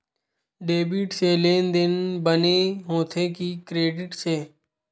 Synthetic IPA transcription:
ɖeːbiːʈseːleːnd̪ɪnbəneɦoːt̪ʰeːkikɾeːɖɪʈseː

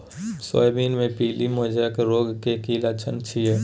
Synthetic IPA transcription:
sɔ̰jbiːnmẽpiːlimoːd͡ʒakɾoːɡkekiːlat͡ʃʰənt͡ʃʰiɛ

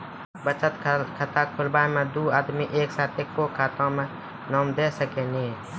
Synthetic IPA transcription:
bət͡ʃət̪kʰət̪aːkʰʊlbaːjmẽd̪uːaːd̪miʔeːksaːt̪ekːokʰaːt̪ãːmẽ | nɔːmd̪eːsəkenĩː

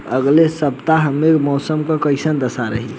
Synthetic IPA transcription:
əɡlesəbt̪aɦəmːekmɔːsəmkəkəɪsənd̪əsaɾəɦi

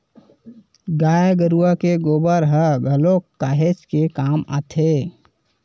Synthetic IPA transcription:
ɡaːjɡəɾuakeɡoːbəɾɦəɡʱəlokːaːɦet͡ʃkekaːma̰t̪ʰe

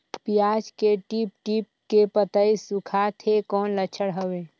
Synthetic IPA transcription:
pijaːd͡ʒkeʈip̚ʈip̚ | kepət̪əisʊkʰat̪ʰekɔːnlət͡ʃʰəɽɦəweː

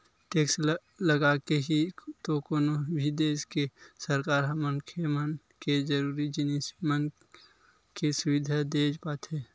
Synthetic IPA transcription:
ʈeːks | ləɡakeɦit̪okoːnobʱid̪eːskesəɾkaːɾɦəmənkʰemən | ked͡ʒəɾuːɾid͡ʒɪnismən | kesʊʋɪd̪ʱad̪eːd͡ʒpaːt̪ɦeː

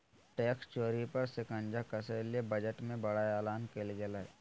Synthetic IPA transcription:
ʈeːkst͡ʃoːɾipɐɾsɪkə̃nd͡ʒakɐseliebəd͡ʒəʈmẽbɐɽaaːlaːnkelɡelaɛ

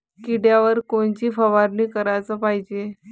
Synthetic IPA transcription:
kiɽjaʋəɾkont͡ɕiːfəʋaɾniːkəɾajt͡səpaɦid͡ʑe

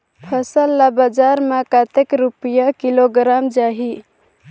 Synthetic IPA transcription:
pʰəsəlːabad͡ʒaɾmakat̪ekɾupijakiloɡɾamd͡ʒaɦi

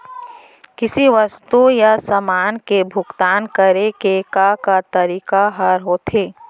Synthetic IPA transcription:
kɪsiʋəst̪ujasəmaːnkebʱʊɡt̪aːnkəɾekekakat̪ɐɾiːkaɦəɾɦoːt̪ɦeː

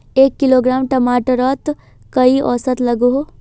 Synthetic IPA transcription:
eːkːɪloːɡɾaːmʈɐmaːʈəɾɔːt̪ | kɐiʔɔ̰ːsət̪lɐɡuɦoː

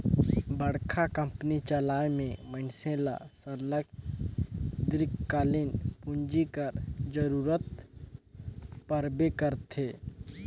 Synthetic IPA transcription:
bəɽkʰakə̃mpnit͡ʃəlaːjmẽmənsẽla̰səɾlək̚ | d̪ɾɪkːaːlɪnpʊ̃ɲd͡ʒikəɾd͡ʒəɾuːɾət̪̚ | pəɾbekəɾt̪ʰeː

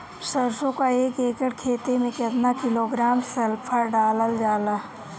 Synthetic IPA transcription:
səɾsõkaeːkeːkəɽkʰeːt̪emẽkɐt̪nakɪloɡɾaːmsɐlpʰəɾɖaːləld͡ʒaːlaː

